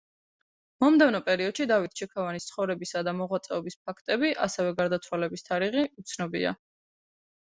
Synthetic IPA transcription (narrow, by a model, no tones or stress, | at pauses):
mɔmd̪ɛvnɔpʼɛɾiɔd̪̥ʃid̪avit̪̚ʰt͡ʃʰɛkʰavanist̪sʰχɔvɾɛbisad̪amɔʁwat̪sʼɛɔbisp̚ʰakʰt̪ʼɛbiʔa̰sɛvɛɡaɾd̪at̪sʰwalɛbist̪ʰaɾiʁiut̪sʰnɔbḭa̰